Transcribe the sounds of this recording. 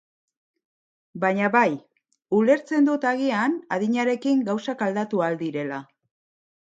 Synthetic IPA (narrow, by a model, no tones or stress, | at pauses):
baɲaβaj | ule̞ɾt͡se̞nd̪ut̪aɣ̞ianaðiɲaɾe̞kiŋɡawsakald̪at̪uald̪iɾe̞la